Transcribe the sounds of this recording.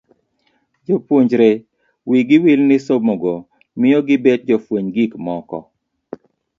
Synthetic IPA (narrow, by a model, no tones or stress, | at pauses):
d͡ʒopwoɲd͡ʒɾe | wiɡɪwilnɪsomoɡo | mɪɔɡɪbed̚d͡ʒɔfwoɲɡikmɔkɔ̰